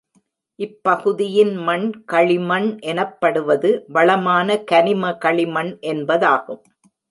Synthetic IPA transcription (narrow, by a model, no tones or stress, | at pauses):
ʔɪpːɐɣɯðɪjɪnmɐɳkɐɭɪmɐnʔɛnɐpːɐɽɯʋɐðɯʋɐɭɐmaːnɐkɐnɪmɐkɐɭɪmɐnʔɛnbɐðaːɣɯm